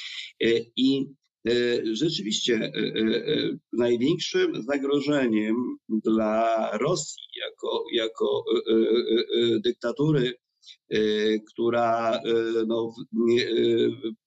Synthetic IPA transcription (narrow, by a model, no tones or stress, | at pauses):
i | ʐɛt͡ʂɘvʲiɕt͡ɕɛ | najvʲjɛŋkʂɘmzaɡɾɔʐɛɲɛmd̪laɾɔsʲjija̰kɔjakɔ | d̪ɘk̚t̪at̪uɾɘ | kt̪uɾa | nɔvɲɛ